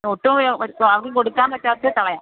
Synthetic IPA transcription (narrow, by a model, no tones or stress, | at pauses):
noːʈːumɐɐʋɐkɨkoɽukːaːnpɐtːaːt̪ːet̪ɐɭɐjaː